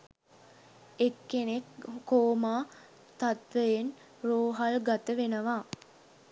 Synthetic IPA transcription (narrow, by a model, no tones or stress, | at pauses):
ekːenekːoːmaː | t̪at̪ʋəjen | roːɦalɡat̪əʋenəʋaː